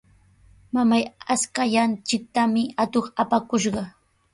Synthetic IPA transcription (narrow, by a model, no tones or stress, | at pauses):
mamajaskaʎant͡ʃɪk̚t̪amɪat̪oχapakʊʃɢɑ